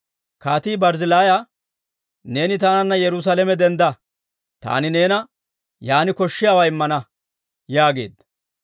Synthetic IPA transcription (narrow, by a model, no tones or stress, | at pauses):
kaːt̪iːbɐɾzɪlaːja | ne̞ːnɪt̪aːnɐnːɐjɛɾʊs̬aːlɛmɛd̪ɛnd̪ɐ | t̪a̰ːnɪne̞ːnɐ | jaːnɪkɔʃːɪjaːwɐjɪmːɐnɐ | jaːɡe̞̰ːd̪ɐ